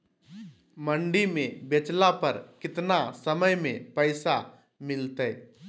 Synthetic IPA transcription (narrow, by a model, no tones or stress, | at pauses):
məɳɖimẽbet͡ʃlapəɾkɪt̪nasəməjmẽpəɪsa | mɪlt̪ɛ